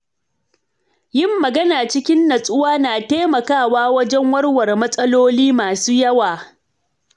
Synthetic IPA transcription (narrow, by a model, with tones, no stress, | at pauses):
jɪ˦mːɐ˨ɡɐ˦naː˨t͡ʃɪ˦kʲɪ˦nːɐ˨sʼʊ˦waː˦naː˨teː˦mɐ˨kaː˦˨waː˦wɐ˦d͡ʒɛ˦ŋwɐ˦rwɐ˨rmɐ˦sʼɐ˦loː˦liː˦maː˨suː˦jɐ˦waː˨